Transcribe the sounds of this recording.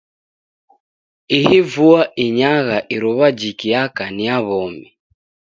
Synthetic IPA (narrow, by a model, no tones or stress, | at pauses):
ihivuaʔiɲaɣaʔiɾuβad͡ʒikiakaniaβɔmi